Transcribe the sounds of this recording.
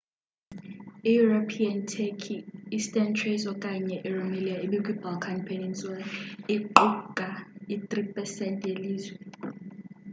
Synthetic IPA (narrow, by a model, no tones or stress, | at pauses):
ijuropʰiantʰɛkʰiistʼɛntʰrezɔkʼaɲɛʔiromeliaiɓikʼibalkʰanpʰɛninsʼwaniǃukʼait̪ripʼɛsɛntʼjeliːzwɛ